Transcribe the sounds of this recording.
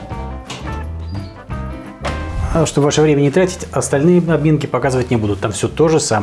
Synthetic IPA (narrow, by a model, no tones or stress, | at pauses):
ʂt̪obvaʂəvɾʲemʲɪnʲɪt̪ɾatʲɪ̥tʲɐst̪ɐlʲnɨjəɐbmʲe̞nkʲɪpɐkazɨvətʲnʲɪbud̪ʊt̪ːamfsʲɵt̪o̞ʐɨsam